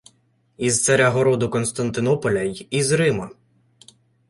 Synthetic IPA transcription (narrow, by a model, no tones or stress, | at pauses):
izt̪sɐɾʲaɦɔɾɔd̪ʊkɔnst̪ɐnt̪ɪnɔpɔlʲɐjizɾɪmɐ